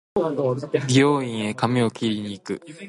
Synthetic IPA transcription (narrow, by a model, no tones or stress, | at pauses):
bʲioːĩɰ̃e̞kamʲio̞kʲiɾʲiɲ̟iːkɯ̟